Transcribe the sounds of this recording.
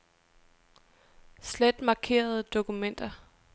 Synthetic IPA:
sled̥mɑ̈kʰe̝̰ːɐð̞ˠəd̥o̝kumen̰d̥ɐ

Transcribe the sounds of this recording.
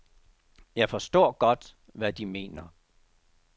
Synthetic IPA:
jɑ̈ɪfɒ̽sd̥ɔ̰ːɡ̥ɒ̽d̥ | ʋæd̥ime̝̰ːnɐ

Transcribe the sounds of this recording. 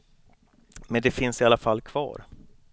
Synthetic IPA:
mɛnd̪ɛfɪnsɪalːafalːkʰv̥ɑ̰ːɾ

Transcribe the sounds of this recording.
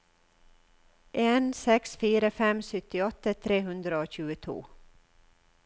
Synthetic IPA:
ʔeːnsɛksfiːɾəfɛmsʏt̪ɪɔt̪ət̪ʰɾeːhʉnd̪ɾəoːçʉːət̪ʰṵː

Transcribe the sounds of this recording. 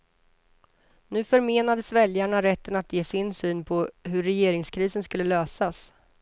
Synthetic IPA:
nʉ̟ːfœɾmeːnad̪əsvɛljaɳaɾɛt̪ːənat̪jeːsɪnsyːnpʰɔɦɵɾːɛjeːɾɪŋskʰɾiːsənskɵlːəløːsas

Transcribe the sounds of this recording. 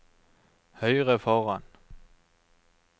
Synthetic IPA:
hœɪʁɛfɒʁɑn

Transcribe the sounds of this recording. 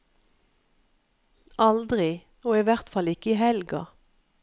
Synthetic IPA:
ʔɑld̪ʁɪ | oːiːʋæʁt̪fɑlɪkəiːɦɛlɡɑ̰

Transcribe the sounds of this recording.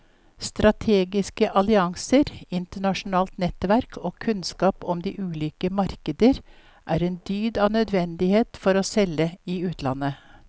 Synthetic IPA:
st̪ɾɑt̪ʰeːɡɪskəʔɑlɪɑŋsəɾɪnt̪əɳɑʃn̩ɑːlt̪nɛt̪ʋæɾkʰoːkʰʉnskɑːpɔmd̪iːʔʉːliːkəmɑɾkəd̪əɾ | ʔæːɾeːnd̪yːd̪ɑːnœd̪ʋɛnd̪ɪheːt̪fɔɾoːsɛləiːʉːt̪ʰlɑ̰nə

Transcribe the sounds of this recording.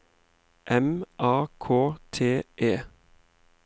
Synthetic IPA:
ʔɛmʔɑːkʰoːt̪ʰeːʔeː

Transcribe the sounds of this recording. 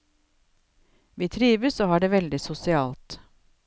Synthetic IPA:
ʋiːt̪ʰɾiːʋəsoːhɑːɖeːʋɛld̪ɪsʊsɪɑːlt̪

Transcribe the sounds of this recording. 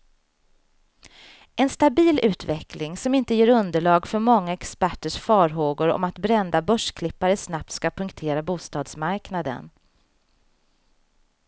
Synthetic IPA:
ʔɛnst̪abiːlʉ̟ːt̪vɛklɪŋsɔmɪnt̪əjeːɾɵnd̪əɭɑːɡfœɾmɔŋːaɛkspæʈːəʂfɑːɾɦoːɡʊɾɔ̰mat̪bɾɛnd̪abœʂkʰlɪpːaɾəsnap̚t̪skapʰɵŋkt̪ʰeːɾabuːst̪ɑːd̪smaɾknad̪ə̰n

